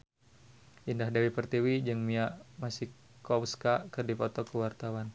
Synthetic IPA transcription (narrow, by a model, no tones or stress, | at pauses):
ʔindahdawipərt̪iwid͡ʒɨŋmiaʔmasi | kɔwskakɨrdipɔt̪ɔkəwart̪awan